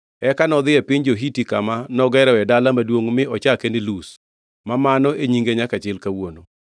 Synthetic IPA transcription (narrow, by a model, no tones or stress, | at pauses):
ɛkanɔd̪ɪɛpɪɲd͡ʒoɦitikamanɔɡɛɾɛɛdalamadwoŋmɪɔt͡ʃakenɪlus | mamanɔeɲiŋɡeɲakat͡ʃɪlkawono